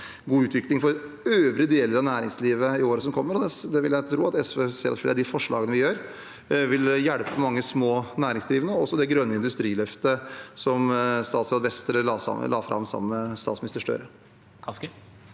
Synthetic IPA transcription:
ɡuːʉːt̪ʰʋɪklɪŋfɔɾ | øːʋɾɪəd̪eːləɾɑʋnæːɾɪŋsliːʋəɪoːɾəsɔmkʰɔmːəɾɔd̪ɛd̪ɛʋɪljæɪt̪ʰɾuːɑt̪ɛsʋeːseːɾɑt̪flḛːɾɑd̪ɪfɔʂɭɑ̰ːɡənəʋɪjøːɾ | ʋɪljæɽpəmɑŋːəsmoːnæːɾɪŋsd̪ɾiːʋənəɔɔsːɔd̪ɛɡɾœnːəɪnd̪ʉst̪ɾiːlœft̪əsɔmst̪ɑːt̪sɑd̪ʋɛst̪ɾə̰lɑːfɾʔɑ̰mːsɑ̰məst̪ɑːt̪smnɪst̪əʂʈœ̰ɾə

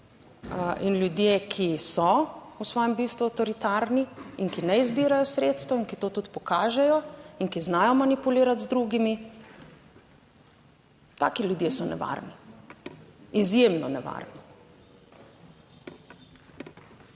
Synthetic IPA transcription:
ʔinljud̪jekʰisɔusʋɔːjɛmbist̪ʋuawt̪ɔɾit̪aːɾniinkinɛizbiːɾajɔsɾeːt̪st̪ʋɔinkit̪oːt̪ut̪pɔkaːʒɛjɔiŋkiznaːjɔmanipuliːɾat̪zd̪ɾuɡimi | t̪aːkiljud̪jesɔnɛ̰ʋa̰ɾni | izjemnɔnɛʋa̰ːɾni

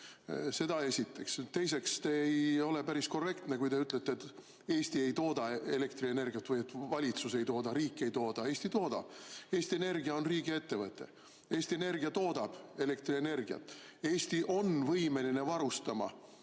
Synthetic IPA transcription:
se̞d̪ɑe̞sʲit̪ːˑe̞kst̪e̞js̬e̞kst̪e̞ejo̞le̞pæɾisko̞re̞kt̪ne̞kujt̪e̞yt̪ːˑlet̪ːeet̪ː | e̞ːst̪ie̞jt̪o̞ːd̪̥ɑe̞le̞kt̪rie̞ne̞rɡiɑt̪ːvɯjet̪ːˑvɑlʲit̪suse̞jt̪o̞ːd̪ɑɾiːkːˑe̞jt̪o̞ːd̪̥ɑe̞ːsʲt̪it̪o̞ːd̪̥ɑ̰b̥e̞ːst̪ie̞ne̞rɡ̥iɑo̞nriːɡie̞t̪ːe̞vɤt̪ːˑe̞̰ | e̞ːst̪ie̞ne̞rɡiɑt̪o̞ːd̪̥ɑb̥e̞le̞kt̪ɾiene̞rɡiɑ̰t̪ːˑ | e̞ːst̪iʔo̞nvɤjme̞line̞vɑɾust̪ɑmɑ̰

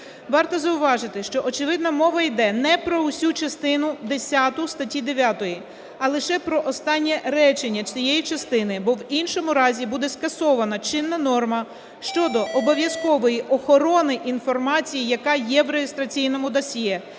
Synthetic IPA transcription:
ʋɑrt̪ɔzɐʊʋɑʒɪt̪ɪʃt͡ʃɔʔɔt͡ʃeʋɪd̪nɐmɔʋɐijd̪ɛnɛpɾɔusʲut͡ʃɐst̪ɪnʊd̪esʲɑt̪ʊst̪ɐtʲid̪eʋʲjɑt̪ɔji | ɐlˠɪʃɛpɾɔʔɔst̪ɑnʲːɛɾɛt͡ʃenʲːɐt͡ʃʲijɛjit͡ʃɐst̪ɪnɪbɔwinʃɔmʊɾɑzʲibud̪ɛskɐsɔʋɐnɐt͡ʃɪnːɐnɔrmɐ | ʃt͡ʃɔd̪ɔʔɔbɔʋʲjɐskɔʋɔjiʔɔxɔɾɔnɪʔinfɔrmɑt͡sʲijijɐkɑjɛʋɾejest̪ɾɐt͡sʲijnɔmʊd̪ɐsʲjɛ

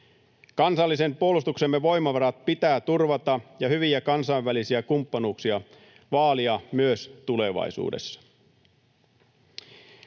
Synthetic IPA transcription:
kɑnsɑlːise̞mpuolust̪uksemːeʋo̞jmɑʋɑɾɑt̪̚pit̪æːt̪urʋɑt̪ɑjɑhyʋiækɑnsɑiʋʋælisiækumpːɑnuːksiɑ | ʋɑːliɑmyøst̪ule̞ʋɑ̰jsṵːde̞̰sːɑ̥

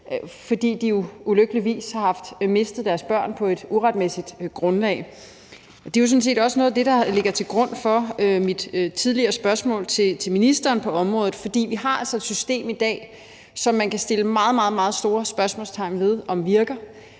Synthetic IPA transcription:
fɒ̽d̥ḭːd̥ijo̝uløɡ̥əliʋḭːshɑ̈hɑ̈fd̥me̝sd̥ð̞̩ˠd̥æɐsb̥ɶɐ̰npʰɒ̽e̝d̥uʁad̥̚mesid̥ɡ̥ʁɔ̽nlɛ̰ːɪ | ɒd̥e̝josɔ̽n̩s̬e̝̰ːd̥ɒ̽sənɔ̽ːð̩ˠd̥e̝d̥ɑ̈le̝ɡ̥ɐt͡sʰe̝lɡ̥ʁɔ̽n̰fɒ̽ømid̥t͡sʰið̞ˠliɐːsb̥ɶɐsmɔ̰̽ːlˠt͡sʰe̝t͡sʰe̝lminisd̥ɐːnpʰɒ̽ɒ̽mʁɔ̽ːðˠð̩ˠfɒ̽d̥ḭːʋiɦɑ̈ælsɒ̽ed̥sysd̥e̝̰ːmid̥ɛ̰ː | sɒ̽mːænkʰæsd̥e̝ləmɑ̈ːð̞̩ˠmɑ̈ːð̞̩ˠmɑ̈ːð̞̩ˠsd̥o̝ːɐsb̥ɶɐsmɔ̰̽lst͡sʰɑ̈ɪ̰nʋe̝ð̞ˠɒ̽mʋiɐɡ̥ɐ

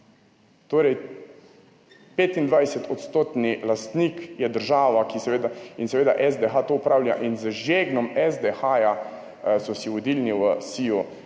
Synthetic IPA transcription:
t̪oːɾɛj | peːt̪ind̪ʋajsɛt̪ʰɔt̪st̪oːt̪nilast̪nikjɛd̪əɾʒaːʋakisɛʋeːd̪ainsɛʋeːd̪aʔɛzd̪ɛxat̪oːpɾaːwlja̰ʔinzəʒeɡnɔmɛzd̪ɛxaːja | sɔsiɔd̪iːlniwəsiu

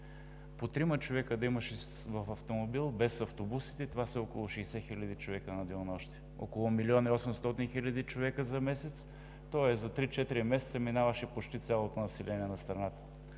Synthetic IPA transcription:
pot̪ɾimɐt͡ʃovɛkəd̪ɐimɐʃɛ | vɐfɐft̪omobilˠbɛsɐft̪obusi̥t̪ɛt̪ovasɛɔkolˠʊʃɛjsɛxilʲɐd̪it͡ʃovɛkənɐd̪ɛnɔʃt̪ɛ̥ | o̰kolˠomilʲiɔniɔsɛmst̪ɔt̪inxilʲɐd̪it͡ʃovɛkəzɐmɛsɛt̪s | t̪ɔɛszɐt̪ɾit͡ʃɛt̪iɾimɛsɛt̪səminavəʃɛpot͡ʃt̪it̪sʲjalˠot̪onɐsɛlʲɛniɛnɐst̪ɾɐnat̪ə̥

